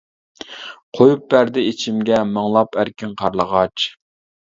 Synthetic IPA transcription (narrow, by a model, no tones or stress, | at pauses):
qʰojup̚bæɾd̪ɪit͡ʃʰimɡʲɛməŋlˠɑpʰæɾkʲinqʰɑɾlˠəʁɑt͡ʃ